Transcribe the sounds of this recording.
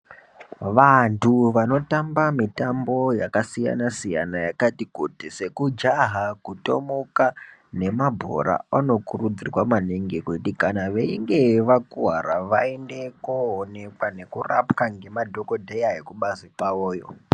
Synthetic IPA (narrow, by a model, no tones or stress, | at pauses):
ʋantʰuʋano̞tambamitambo̞jakasija̰nasija̰najakatikutise̞kud͡ʒaɦakuto̞̰mokane̞mabʱo̞̰ɾa̰ano̞kurud͡zirwamaneŋɡekoitikanaʋeiŋɡe̞ʋakuɦaɾaʋaende̞koone̞kwane̞kura̰pkaŋɡe̞madʱo̞ko̞dʱejaɦekuɓazipaoːjo̞̰